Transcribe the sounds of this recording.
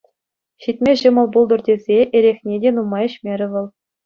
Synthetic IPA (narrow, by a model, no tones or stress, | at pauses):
ɕit̚ʲmʲeʑɤ̆mɤ̆lˠbulˠd̪ɤ̆rdʲezʲeʔeɾʲexʲnʲedʲenumɑjɘ̆ɕmʲeɾʲɘ̆ʋɤ̆lˠ